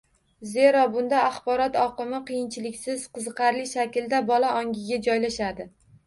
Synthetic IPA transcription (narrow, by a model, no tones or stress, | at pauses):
ze̞ɾɒbʊnd̪aaχbɒɾɒt̪ɒqɨmɪqʰɨjɪnt͡ʃʰɪlɪkʲsɪz̥qʰɨzɨqɑɾlɪʃakʲɪld̪abɒlaʔɒŋɡʲɪɡʲad͡ʒɒjlaʃad̪ɪ